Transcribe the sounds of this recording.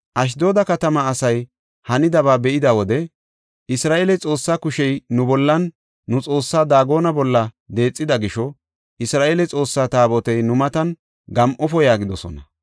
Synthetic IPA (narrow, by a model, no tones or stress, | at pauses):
ʔɐʃ̬d̪o̞ːd̪ɐkɐt̪ɐmɐːsɐj | hɐnɪd̪ɐβaːbɛʔɪd̪ɐwɔd̪ɛ | ʔɪsɾaːʔeːlɛt͡sʼo̞ːsːaːkʊʃɛjnʊbɔlːɐnː | ʊt͡sʼo̞ːsːaːd̪aːɡo̞ːnɐbɔlːɐ | d̪e̞ːt͡sʼːɪd̪ɐɡɪʃɔ | ʔɪsɾaːʔeːlɛt͡sʼo̞ːsːaːt̪aːbɔt̪ɛjnʊmɐt̪ɐn | ɡɐmʔɔfɔjaːɡɪd̪ɔsɔ̰nɐ